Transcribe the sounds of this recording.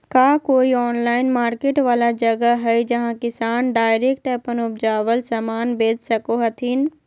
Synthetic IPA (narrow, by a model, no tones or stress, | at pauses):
kaːkoːiɔːnlaːɪnmaːɾkeːʈʋaːlad͡ʒɐɡəɦɛjd͡ʒɐɦãkɪsaːnɖaːɪɾeːk̚ʈɛpənʊp̚d͡ʒaːʋəlsɐmaːnbeːd͡ʒsɐkoɦɐt̪ʰiːn